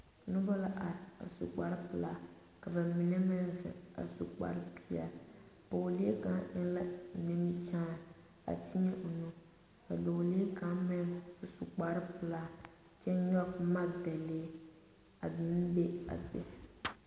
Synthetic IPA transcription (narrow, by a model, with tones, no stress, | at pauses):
nʊ˦ba˦la˦ʔa˨ɾɪ˨a̰˨sṵ˨k͡pa˨˦ɾɪ˦pɨ˨laː˦ | ka˨ba˨mi˨nɛ˦mɛ˦n˦zɨ̰˨a̰˨su˨k͡pa̰˨ɾɨ˦pʰi˦ɛ̰˦po˨li˦e˦ka˨˦ʔɛ˦n˦la˦nɪ˦m˦t͡ʃa˦˨ | a̰˨ti˦ɲɛ˦ʔʊ˨nu˦ | ka˨do˨li˦ka˨˦mɛ˦na˨su˨k͡pa˦ɾɨ˦pɨ˨laː˦ | t͡ʃɛ˦ɲɔ˦pma˦˨dɛ˨leː˦ | a˨bi˨˦n˦be˦a̰˨bɛ˨